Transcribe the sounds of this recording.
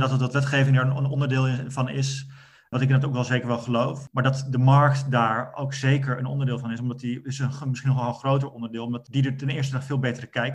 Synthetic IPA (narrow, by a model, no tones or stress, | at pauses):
dɑtɑtʋɑtʋɛtχejvɪŋdaːɹənənɔndəɹdɪːlˠvɑnɪs | ʋɑntɪknɑtowkɑlˠzejkəɹʋɛlˠχəlowfmaːɹdɑtdəmɑɹktdaːɹowksejkəɹənɔ̰ndəɹdɪːlˠvɑnɪsɔmdɑtiɪsənmɪsχinɔχənˠχrowtəɹɔndəɹdɪːlˠɔmdɑtdidəɹtɛnɪːɹstədɑχfɪːlˠbejtərəkɛjk̚